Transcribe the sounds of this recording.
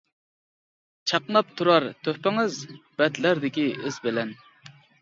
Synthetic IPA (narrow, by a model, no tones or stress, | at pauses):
t͡ʃʰɑqnɑp̚t̪ʰuɾɑɾt̪ʰøhpɪŋɨzb̥ɛd̪læɾd̪ɪkʲiɪzbɪlɛn